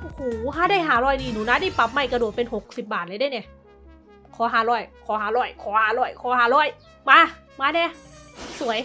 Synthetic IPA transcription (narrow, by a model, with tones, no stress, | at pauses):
huː˨˩˦ɦaː˧˥˦daː˥˩˨jɦaː˩˦ɾɔː˧˩˨jniː˧˩nuː˨˦naː˧˥˨daː˥˩jpa˨˩p̚ma˧˥˩jka˧du˨˩t̪̚pe˧nho˨˩k̚si˨˩p̚baː˨˩t̪̚laː˨˧˦daː˧˥˩jnɛ˧˩ | kʰɔː˨˦ɦaː˨˩˦ɾɔː˧˩jkʰɔː˩˦ɦaː˨˩˦ɾɔː˧˩jkʰɔː˨˦haː˨˩˦lɔː˧˩jkʰɔː˨˦ɦaː˨˦ɾɔː˧˥˩j | maː˧˥˨ | maː˧nɛː˧˥˨su˩˦əj